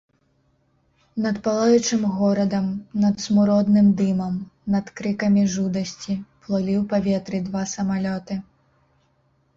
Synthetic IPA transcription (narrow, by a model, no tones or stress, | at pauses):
nɐt̪palˠajut͡ʂɨmɣɔɾɐd̪ɐmnɐt̪smuɾɔd̪nɨmd̪ɨmɐmnɐt̪kɾɨkɐmʲiʐud̪ɐsʲt͡sʲiplˠɔlʲiwpavʲɛt̪ɾɨd̪vasɐmalʲɔt̪ɨ